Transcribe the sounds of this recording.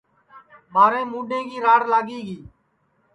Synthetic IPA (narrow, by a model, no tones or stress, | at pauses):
ɓaːɾẽːmuːɖẽːɡiːɾaːɽlaːɠiːɡiː